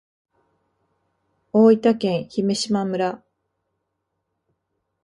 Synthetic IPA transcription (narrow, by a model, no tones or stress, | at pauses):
oːit̪akẽ̞ɰ̃çime̞ɕimamɯ̟ɾa